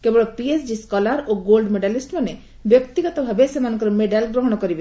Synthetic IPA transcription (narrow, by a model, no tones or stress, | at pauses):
kebɔɭɔpiesd͡ʒiskɔlaɾoɡolɖmeɖalisʈpane | bjɔkt̪iɡɔt̪ɔbʱabesemanɔ̃ŋkɔɾmeɖalɡɾoɦɔɽ̃ɔkɔɾibe